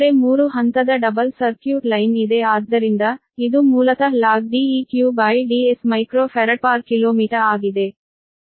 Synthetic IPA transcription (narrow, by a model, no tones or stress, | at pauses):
ɾemuːɾuɦɐnt̪ɐd̪ɐɖɐbɐlsɐɾkjuːʈlɐjnid̪eaːd̪ːɐɾind̪ɐ | id̪umuːlɐk̪ɐlaːɡ̚ɖiiːkjuːbɐjɖiesmɐjkɾoːpʰɐɾɐʈ̚paːɾkiloːmiːʈɐɾaːɡid̪e̞